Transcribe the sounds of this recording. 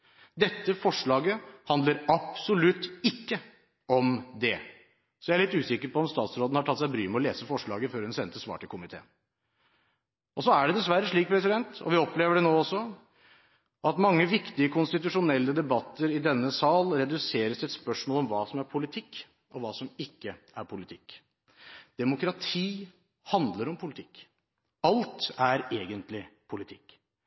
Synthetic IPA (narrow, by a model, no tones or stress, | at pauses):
d̪ɛt̪ːəfɔʂɭɑːɡəhɑnd̪ləɾɑpsʊlʉt̪ːɪkːə | ɔmd̪ɛ | sɔjæɪæɭɪt̪ːʉːsɪkːəɾpɔɔmst̪ɑːt̪sɾoːd̪n̩hɑʈʰɑt̪ːsæɪbɾyːməɔleːsəfɔʂɭɑ̰ːɡəføːɾhʉnsɛnt̪ːəsʋɑ̰ːʈʰɪlkʰʊmɪt̪ʰḛːn | ʔɔsɔæɖɛd̪ɛsʋæɾːəʂɭiːk̚pʰɾɛsɪd̪ɛnt̪ɔ̰ʋɪɔpleːʋəɖɛnoːɔsːɔ | ʔɑt̪mɑŋːəʋɪkt̪ɪəkʰʊnst̪ɪt̪ʉʂʊnɛlːəd̪ɛbɑt̪ːəɾɪd̪ɛnːəsɑːlɾɛd̪ʉseːɾəsɪɛt̪spœʂmoːlɔmʋɑːsɔmæɾpʰʊlɪt̪ʰɪkː | ʔɔʋɑːsɔmɪkːə | æɾpʰʊlɪt̪ʰɪkː | d̪̥ɛmʊkɾɑt̪ʰiː | hɑnd̪ləɾɔmpʰʊlɪt̪ʰɪ̥kː | ɑlt̪æɾeːɡənt̪lɪpʰʊlɪt̪ʰɪkː